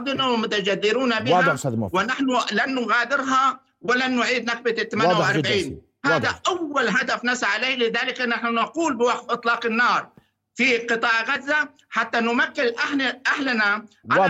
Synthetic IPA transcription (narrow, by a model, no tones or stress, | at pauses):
d̪ɪnawɪmʊt̪ad͡ʒaðːɪɾuːnabɪhawɪnaħnʊlanːʊɣaːd̪ɪɾɦa | wɪlanːʊʕiːd̪nak̚bat̪ɪt̪ːamajaʔɑɾaʕiːn | haðaʔawːalɦad̪afnasaʕaleːlɪðaːlɪkʔɪnːaħnʊnɑquːlbɪwaqfʔɨt̪ˤlɑːqɪnːɑːɾˤ | fiqɨt̪ˤɑːʕɣazːa | ħat̪ːanʊmakːɪlʔaħnaʔahlna